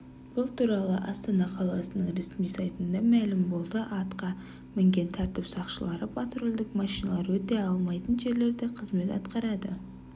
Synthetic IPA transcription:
b̥ʊlˠt̪ʰuɾɑlˠəʔɑst̪ɑnɑqʰɑlˠɑsənəɴɾe̞smijsɑjt̪ənd̪ɑmælɪmbo̞lˠd̪əʔɑt̪qɑ | mɪŋɡʲe̞nt̪ʰɑɾt̪ɪpsɑqʃəlˠɑɾəpʰat̪ɾo̞lˠd̪ɪkmɑʃijnɑlˠɑɾwɵt̪e̞ɑlˠmɑjt̪ənʒe̞ɾle̞ɾd̪eqʰəzme̞t̪ɑt̪qɑɾɑd̪ə

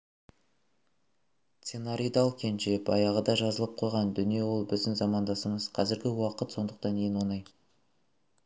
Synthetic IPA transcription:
t̪senaɾʲijd̪ɑlˠkʲʰe̞nʃebɑ̰jɑʁəd̪ɑʒɑzəlˠəp̚qʰo̞jʁɑnd̪ʏnije̞wo̞lˠbɪzd̪ɪŋzɑmɑnd̪ɑsəməzqʰɑzɪɾɡʲɪwɑqət̪so̞nd̪əq̚t̪ɑnejnwonɑj

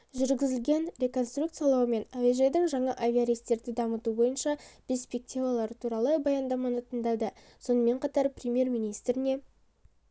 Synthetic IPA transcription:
ʒʏɾɡʲɪzɪlɡʲe̞nɾʲe̞ko̞nst̪ruk̚t̪sɨjɑlˠɑwəme̞naveʒed̪ɪŋʒɑɴɑʔavʲiaɾʲijst̪e̞ɾd̪ɪd̪ɑmət̪ubo̞jənʃɑpʲespʲe̞k̚t̪ʲivalˠɑɾət̪ʰuɾɑlˠəbɑjɑnd̪ɑmɑnət̪ʰənd̪ɑd̪ə | so̞nəme̞ɴqʰɑt̪ɑɾprʲemʲje̞ɾmijnijst̪ɾɪne̞

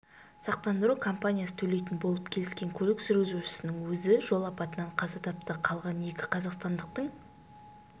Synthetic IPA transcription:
sɑq̚t̪ɑnd̪əɾukʰo̞mpanʲijasə̥t̪ʰɵle̞jt̪ɪnbolˠəpkʲʰe̞lɪskʲe̞ŋkʲʰɵlɪksʏɾɡʲɪzuʃɪ̥sɪnɪŋwɵzɪʒo̞lˠɑpɑt̪ənɑɴqʰɑzɑt̪ʰɑp̚t̪əqʰɑlˠʁɑne̞kʲɪ̥qʰɑzɑqst̪ɑnd̪əq̚t̪əɴ

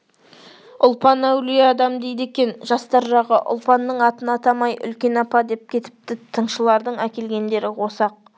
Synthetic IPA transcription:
ʊlˠpɑnæwlijeɑd̪ɑmd̪e̞jd̪e̞kʲe̞nʒɑst̪ɑɾʒɑʁəʔʊ̰lˠpɑnːəɴɑt̪ənɑt̪ɑmɑjʔʏ̰lkʲe̞nɑpɑd̪e̞p̚kʲʰe̞t̪ɪ̥p̚t̪ɪt̪ʰəɴʃəlˠɑɾd̪əɴækʲe̞lɡʲe̞nd̪e̞ɾɪwo̞sɑq̚

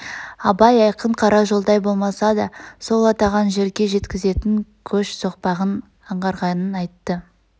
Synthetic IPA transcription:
ɑbɑjɑjqəɴqʰɑɾɑʒo̞lˠd̪ɑjbo̞lˠmɑsɑd̪ɑso̞lˠɑt̪ɑʁɑnʒe̞ɾɡʲe̞ʒe̞t̪kʲɪze̞t̪ɪŋkʲʰɵʃso̞q̚pɑʁən | ɑɴʁɑɾʁɑnənɑjt̪ːə

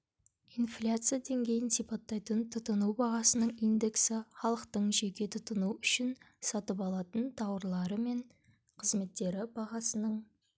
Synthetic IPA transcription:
ijnflʲat̪sɨjad̪e̞ŋɡʲe̞jɪnsipɑt̪ːɑjt̪ənt̪ʰʊt̪ənubɑʁɑsənəɴijnd̪e̞ksɪχɑlˠəqt̪əɴʒe̞kʲe̞t̪ʰʊt̪ənuʏʃɪn | sɑt̪əpɑlˠɑt̪ənt̪ʰɑwəɾlˠɑɾəme̞ɴ | qʰəzme̞t̪ːe̞ɾɪbɑʁɑsənəɴ

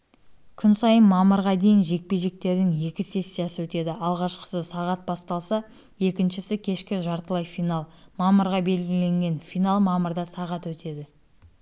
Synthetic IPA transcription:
kʲʰʏnsɑjənmɑməɾʁɑd̪e̞jɪnʒe̞k̚pe̞ʒe̞k̚t̪e̞ɾd̪ɪŋje̞kʲɪse̞sʲːijasəwɵt̪e̞d̪ɪʔɑlˠʁɑʃqə̥səsɑʁɑt̪̚bɑst̪ɑlˠsɑ | je̞kʲɪnʃɪsɪkʲʰe̞ʃkʲɪʒɑɾt̪əlˠɑjfijnalˠmɑməɾʁɑbe̞lɡʲɪle̞ŋɡʲe̞nfijnalˠmɑməɾd̪ɑsɑʁɑt̪wɵt̪ʰe̞d̪ɪ

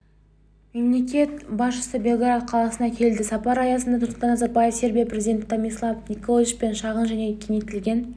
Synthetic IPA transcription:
me̞mle̞kʲe̞t̪bɑsʃə̥səbʲe̞lˠɡɾat̪̚qʰɑlˠɑsənɑkʲʰe̞lɪld̪ɪsɑpɑɾɑjɑsənd̪ɑt̪ʰʊɾt̪əɑnɑzɑt̪̚bɑjəfsʲe̞ɾbʲijapɾe̞zid̪ʲet̪omʲislˠɑvnikolʲˠit͡ʃpe̞nʃɑʁənʒæne̞kʲʰemijt̪ɪlɡʲe̞n

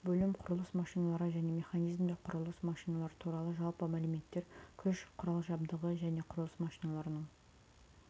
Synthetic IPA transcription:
bɵlɪmqʰʊɾlˠəsmɑʃijnɑlˠɑɾəʒæne̞me̞χanijzmd̪eqʰʊɾəlˠəsmɑʃijnɑlˠɑɾət̪ʰuɾɑlˠəʒɑlˠpəmælumet̪ːe̞ɾkʲʰʏʃqʰʊɾɑlˠʒɑbd̪əʁəʒæne̞qʰʊɾəlˠəsmɑʃijnɑlˠɑɾənəɴ

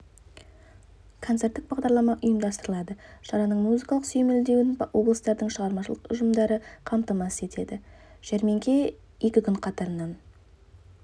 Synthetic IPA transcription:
kʰot̪se̞ɾt̪ːɪk̚bɑʁd̪ɑɾlˠɑmɑʔʊjəmd̪ɑst̪əɾəlˠɑd̪əʃɑɾɑnəɴmuzəkɑlˠəqsɵjme̞ld̪ewɪnwʔo̞blˠəst̪ɑɾd̪əɴʃəʁɑɾmɑʃəlˠəqʊ̰ʒəmd̪ɑɾəqʰɑmt̪əmɑsəe̞t̪e̞d̪ɪʒ̥æɾme̞ŋkʲʰe̞ | je̞kʲɪkʲʏɴqʰɑt̪ɑɾənːɑn

